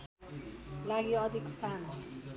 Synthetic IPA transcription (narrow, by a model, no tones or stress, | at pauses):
laɡjoʌd̪ʱikst̪ʰan